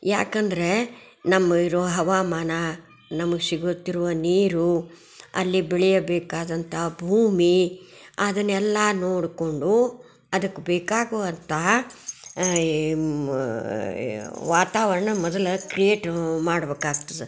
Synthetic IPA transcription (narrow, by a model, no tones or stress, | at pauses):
jaːkɐnd̪ɐɾe̞ | nɐmːɐiɾɔʋɐɦɐʋaːmaːnɐ | nɐmɐɡesiɡut̪ːiɾuʋɐniːɾu | ɐ̰lːibeɭɛjɐbeːkaːd̪ɐnt̪ʰɐbʱuːmiad̪ɐnːɛlːɐːnoːɽko̞ɳɖu | ɐd̪ɐkːubeːkaːɡoʋɐnt̪ʰɐɦ | ʋaːt̪aːʋɐɾɐɳɐmɔd̪ɐlɐkɾijeːʈmaːɽɐbeːkaːɡt̪ɐd̪e